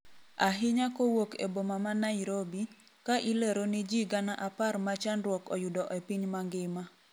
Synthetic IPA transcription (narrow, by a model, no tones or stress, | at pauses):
aɦɪɲakowokḛbomamanaiɾobi | kaʔileɾonɪd͡ʒiɡanaʔaparmat͡ʃanɾwɔkɔjʊdɔʔɛpiɲmaŋɡɪma